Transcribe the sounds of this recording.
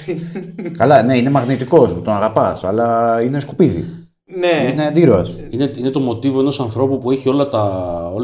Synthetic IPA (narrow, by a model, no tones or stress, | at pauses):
kɐlɐne̞ine̞mɐɣnit̪iko̞smut̪o̞nɐɣɐpɐsɐ̰lɐine̞skupiðḭ | neined̪iɾoɐsineine̞t̪o̞mo̞t̪ivoe̞no̞sɐnθɾo̞pupue̞çio̞lɐt̪ɐo